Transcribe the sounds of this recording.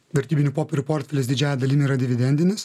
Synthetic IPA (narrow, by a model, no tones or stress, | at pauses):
ʋʲɛɾʲt̪ʲiːbʲɪnʲupoːpʲeɾʲupoːɾʲt̪ʲfʲɛlʲesd̪ʲɪd͡ʒʲæːjɛd̪ɐlʲiːnʲiːɾɐd̪ʲɪʋʲɪd̪ʲɛnʲd̪ʲɪnʲɪs